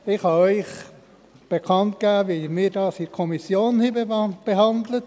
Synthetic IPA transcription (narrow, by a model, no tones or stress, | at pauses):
ɪχhɑœʏχ | b̥ekʰɑntɡ̥æːʋimɪːɾdɑːsikʰɔmisjoːnhiːbb̥eɦɑndlət